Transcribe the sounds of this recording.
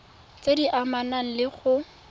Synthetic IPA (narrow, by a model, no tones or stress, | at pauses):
t͡sediʔamanaŋ̩lɪχʊ